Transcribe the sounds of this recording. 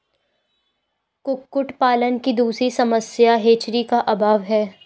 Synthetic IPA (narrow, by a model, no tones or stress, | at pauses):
kʊkːʊʈpaːlənkid̪uːsɾisɐməsjaɦeːt͡ʃɾikaʔɐbʱaːʋɦɛː